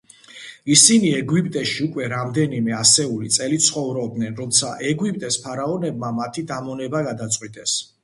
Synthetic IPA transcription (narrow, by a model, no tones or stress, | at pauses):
isiniɛɡwipʼt̪ʼɛʃiukʼwɛɾamd̪ɛnimɛasɛulit̪sʼɛlit̪sχɔvɾɔb̚d̪nɛnɾɔmt̪sʰaʔɛɡwipʼt̪ʼɛspʰaɾaɔnɛb̚mamat̪ʰid̪amɔnɛbaɡad̪at̪sʼqʼwit̪ʼɛs